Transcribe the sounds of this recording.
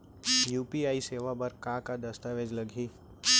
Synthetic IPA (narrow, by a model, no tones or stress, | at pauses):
juːpiaːiseːʋabɐɾkãːkad̪ɐst̪aʋed͡ʒlɐɡʱiː